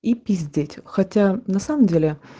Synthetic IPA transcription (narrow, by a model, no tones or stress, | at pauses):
ipʲizʲdʲetʲxɐtʲanɐsaməmdʲelʲɪ